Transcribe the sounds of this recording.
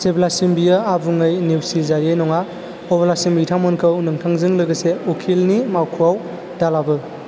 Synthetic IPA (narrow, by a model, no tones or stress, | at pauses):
seblasimbiaabuŋɯjniwsizaɾjejnɔŋa | ɔbalasimbitʰamɔnkʰɯwnɯŋtʰaŋzɯŋlɯɡɐseɔkʰilnimawkʰuaw | d̥alabɯ